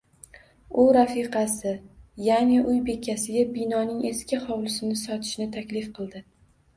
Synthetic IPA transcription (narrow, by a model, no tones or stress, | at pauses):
ʊɾafiqʰɑsɪjanɪʔʊjbe̞kʲʰːasɪɡʲabinɒnɪŋeskʲɪχɒwlˠɪsɪnɪsɒt̪ʰɪ̥ʃnɪt̪ʰakʲlɪfqʰɨlˠd̪ɪ